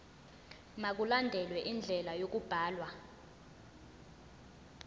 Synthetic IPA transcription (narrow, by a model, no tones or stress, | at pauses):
mak̬ulandʱɛlwɛʔind͡ɮʱɛlajok̬ʼub̥ʱaːlwa